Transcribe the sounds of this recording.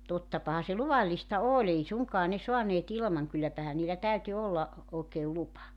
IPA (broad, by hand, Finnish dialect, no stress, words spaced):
totːɑpɑhɑ se luʋɑlːistɑ oːl ei suŋkɑː soɑneːt ilmɑŋ kylːæpæhæ niːlːæ tæyty olːɑ oːkeːl lupɑ